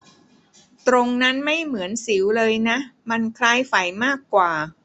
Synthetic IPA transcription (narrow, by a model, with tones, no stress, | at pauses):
t̪ɾo˧ŋna˦˥nma˥˩jmɯ˩˦ənsi˩˦wlɤː˧jna˦˥ʔma˧nkʰlaː˧jfa˨˩jmaː˥˩kːwaː˨˩